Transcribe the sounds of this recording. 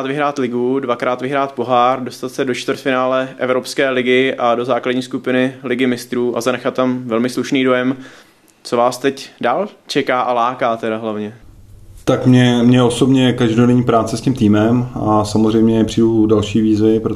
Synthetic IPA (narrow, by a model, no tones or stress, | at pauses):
at̪vɪɦɾaːt̪lɪɡudvakɾaːt̪vɪɦɾaːt̪̚po̞ɦaːrdo̞st̪at̪sɛdo̞t͡ʃt̪vɾt̪fɪnaːlɛʔɛ̰vɾo̞pskɛːlɪɡɪʔado̞zaːkladɟɲiːskupɪnɪlɪɡɪmɪst̪ɾuːʔa̰zanɛxat̪ːamvɛlmɪsluʃniːdo̞jɛm | t͡so̞vaːst̪ɛcdaːlt͡ʃɛkaːʔalaːkaːt̪ɛdaɦlavɲɛt̪akmɲɛmɲɛosobɲɛkaʒdonɛɲiːpɾaːt͡sɛscɪmt̪iːmɛmasamozr̝ɛjmɲɛpr̥ijudalʃiːviːzvɪpɾo